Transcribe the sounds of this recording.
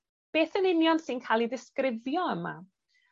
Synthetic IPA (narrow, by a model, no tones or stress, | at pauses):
b̥eːθənɪnjɔnsɪnkʰaːlˠiðɪskrɪvjɔəma̰